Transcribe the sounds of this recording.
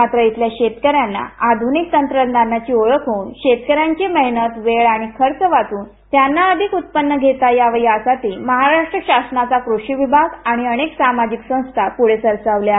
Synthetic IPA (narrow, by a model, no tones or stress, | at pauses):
mat̪ɾəit̪ljaɕet̪kəɾjanːa̰ad̪ʱunik̚t̪ənt̪ɾəd̪anat͡ɕiːoɭəkɦouːnɕet̪kəɾjaɲt͡ɕeməɦinət̪ʋeɭaɽ̃ikʰəɾt͡səʋat̪uːn | t̪janːaəd̪ʱikut̪̚pənːəɡʱet̪ajaʋəiasat̪iːməɦaɾaʂʈɾəɕasnat͡sakɾoɕiʋibʱaɡaɽ̃iəɽeksamad͡ʑiksə̃w̃st̪ʰapuɽ̤esəɾt͡saʋlja